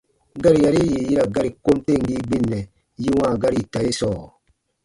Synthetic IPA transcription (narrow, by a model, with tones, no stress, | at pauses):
ɡa˦ɾi˨ja˨ɾi˦ji˨ji˦ɾa˨ɡa˦ɾi˨ko˦m˦te˦˨ŋ̩˨ɡi˦ɡ͡bi˦nːɛ˨ | ji˦wãː˦˨ɡa˦ɾi˨ta˨je˦sɔː˦˨